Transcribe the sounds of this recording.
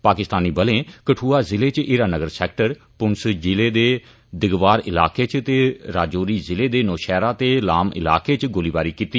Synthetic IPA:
paːkɪst̪aːniːbəlẽːkəʈʰuːaːzɪleːt͡ʃɪːɾaːnəɡəɾsɛːk̚ʈəɾ | pʊnsd͡ʒɪleːd̪eː | d̪ɪɡʋaːɾɪla̰ːkeːt͡ʃt̪eːɾaːd͡ʒoːɾiːzɪleːd̪eːnoːʃɛːɾaːt̪eːlaːmɪ̰la̰ːkeːt͡ʃɡʊliːbaːɾiːkiːt̪iː

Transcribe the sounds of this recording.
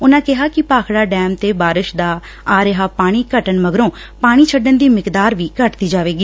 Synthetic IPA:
ʊnãːkɪɦaːkɪpaːkʰɽaːɖɛːmt̪eːbaːɾɪʃd̪aː | aːɾɪɦaːpaːɽ̃iːkəʈənməɡɾõː | paːɽ̃iːt͡ʃʰəɖənd̪iːmɪkd̪aːɾʋiːkəʈt̪iːd͡ʒaːʋeːɡiː

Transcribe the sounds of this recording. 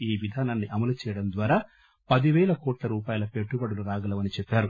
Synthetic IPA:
iːʋid̪ʱaːnaːnːiʔɐmɐlut͡ʃɛːjɐɽɐmd̪ʋaːɾaː | pɐd̪iʋɛːlɐkɔːʈlɐɾuːpaːjɐlɐpe̞ʈːubɐɽɐluɾaːɡɐlɐʋɐnit͡ʃɛpːaːɾu

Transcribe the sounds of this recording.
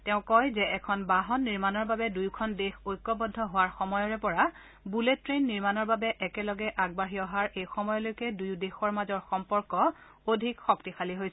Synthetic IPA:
tɛʊ̃kɔjzɛʔɛkʰɔnbaɦɔnːiɹmanɔɹbabɛdujkʰɔndexojkːɔbɔdʱːɔɦʊwaɹxɔmɔjɔɹɛpɔɹa | buletːɹenːiɹmanɔɹbabɛʔɛkɛlɔɡɛʔaɡ̚baɦiɔɦaɹʔejxɔmɔjɔlojkɛdujdexɔɹmazɔɹxɔmpɔɹkɔ | odʱikxɔktixaliɦojs

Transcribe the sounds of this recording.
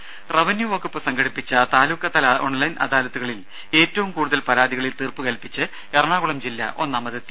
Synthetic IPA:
rɐʋɐnjuʋoːkːɐpːɨsɐŋɡɐɽipːit͡ɕːɐt̪aːluːkːɐt̪ːɐlo̞ɳlɐjnʔɐ̰d̪aːlɐt̪ːuɣɐɭil | e̞ːtːɐʋumkuːɽuðɐlpɐɾaːd̪iɣɐɭilt̪iːrpɨkɐlpːit͡ɕːɨ | erɐɳaːɣuɭɐmd͡ʑilːɐ̰ʔo̞nːaːmɐðɨt̪ː

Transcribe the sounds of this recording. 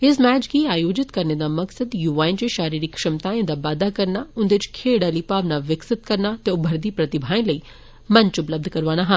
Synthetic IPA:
ɪsmɛːt͡ʃkiaːjoːd͡ʒɪt̪kɐɾned̪amɐksəd̪juːʋaːɪnd͡ʒeʃaːɾiːɾikʃɪmt̪aːẽd̪abaːd̪akɐɾnaʊ̃nd̪et͡ʃkʰeːɽaːlipaːʋnaʋɪksɪt̪̚kɐɾnat̪eʊbʱɐɾd̪ipɾɐt̪ɪbʱaːẽlɐi | mɐɲt͡ʃʊpləb̚d̪ʱkɐɾʋaːnaɦã

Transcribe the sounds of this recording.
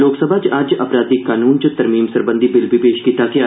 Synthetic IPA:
loːksəbʱad͡ʒaːd͡ʒɐ̰pɾaːd̪ikaːnuːnt͡ʃət̪ɐɾmiːmsɐɾbə̃nd̪ʱibɪlbɪbeːʃkit̪akia

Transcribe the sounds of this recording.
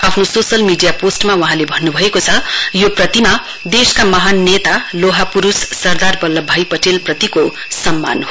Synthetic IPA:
apʰnososʌlmiɖijaposʈmawuɦãlebʱʌnːubʱʌekot͡sʰʌjoprʌt̪ima | d̪eskamʌɦanːet̪aloɦapuɾusːʌrd̪arbʌlːʌbʱajpʌʈelprʌt̪iko | sʌmːa̰nɦo

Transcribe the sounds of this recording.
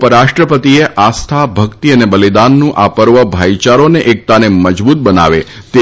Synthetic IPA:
pəɾaʃʈɾəpət̪ieʔast̪ʰabʱəkt̪iənebəlid̪anːũʔapəɾʋəbʱait͡ʃaɾoneʔek̚t̪aneməd͡ʒbut̪̚bəna̰ʋe | t̪e

